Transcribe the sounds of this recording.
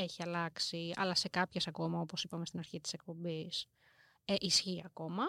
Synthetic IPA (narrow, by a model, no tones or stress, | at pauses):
e̞çiɐlɐksiɐ̰lɐse̞kɐpçe̞sɐko̞mɐo̞po̞sipɐme̞st̪inɐɾçit̪i̥se̞k̚po̞bis | eʔisçiɐko̞mɐ